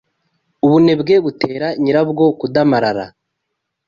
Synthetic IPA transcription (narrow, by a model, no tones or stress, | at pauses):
uβune̞bɡe̞βute̞ːɾaɲiɾabɡo̞kudamaɾaɾa̰